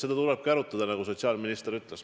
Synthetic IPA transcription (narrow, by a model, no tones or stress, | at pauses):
se̞d̪ɑt̪uleb̥̚kæɾut̪ːˑɑd̪ɑnɑɡuso̞t̪siɑːlminist̪ɾyt̪les